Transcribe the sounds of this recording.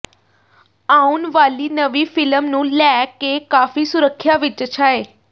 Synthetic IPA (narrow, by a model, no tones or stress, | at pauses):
aːunʋaːliːnəʋiːpʰɪləmnũːlɛːkeːkaːfiːsʊɾəkʰːjaːʋɪt͡ʃət͡ʃʰaːeː